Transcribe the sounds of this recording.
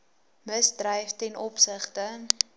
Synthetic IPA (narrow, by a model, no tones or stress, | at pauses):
məsdrɛjftɛnʔɔpsəχtə